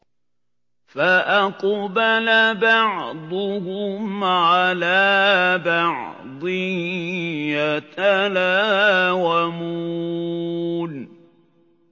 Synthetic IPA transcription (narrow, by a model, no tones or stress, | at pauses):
faʔaqbalabɑʕd̪ˤʊhʊmʕalaːbɑʕ | d̪ˤɨ | at̪alaːwamu | n